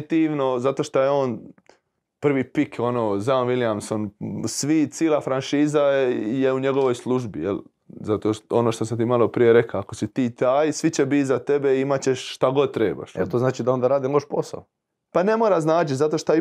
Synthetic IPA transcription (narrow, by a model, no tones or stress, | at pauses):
t̪iːʋno̞zat̪o̞ʃt̪ojeoːn | pr̩ʋipikʰo̞noːzaʋiljamso̞nsʋit̪siːlˠafɾanʃiːzaje̞uɲe̞ɡo̞ʋo̞jslˠuʒbijḛl | zat̪oːʃo̞noʃt̪o̞s̬amt̪imalˠo̞pɾije̞ɾekaako̞sit̪iːt̪aːjsʋit͡ɕebit̪zat̪e̞beiimat͡ɕeʃːt̪aɡo̞d̪̚t̪ɾeːba̰ʃḛt̪oznaːt͡ʃid̪ao̞nd̪aɾaːd̪imlʲˠoʃposa̰o | pane̞moːɾaznaːt͡ʃit̪zat̪o̞ʃt̪o